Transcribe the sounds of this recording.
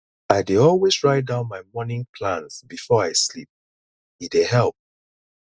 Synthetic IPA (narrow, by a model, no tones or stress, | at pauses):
aɪdeɔlwezɹaɪdãʊ̃nmaɪmɔnɪ̃ŋpʰlãnsbifɔaɪslḭp̚ | idehɛlˠp̚